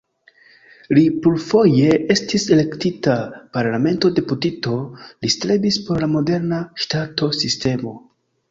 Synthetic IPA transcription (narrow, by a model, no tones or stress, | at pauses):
lipulfo̞je̞e̞stise̞le̞ktitapaɾlame̞nto̞de̞putito̞listɾe̞bispo̞ɾlamo̞de̞ɾnaʃtato̞siste̞mo̞